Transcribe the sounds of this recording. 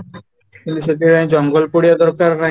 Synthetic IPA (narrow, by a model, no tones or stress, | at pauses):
kint̪uʃet̪iɾãd͡ʑɔŋɡolpoɽijad̪ɔɾkaɾːa